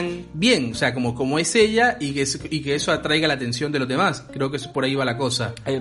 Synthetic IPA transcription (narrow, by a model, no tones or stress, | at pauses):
ŋbje̞ŋose̞ako̞mo̞ko̞moe̞se̞ʎaikesike̞eso̞at̪ɾajɣalaːt̪e̞nsjo̞nd̪e̞lo̞zðe̞maskɾe̞o̞keesopo̞ɾaiβalako̞saa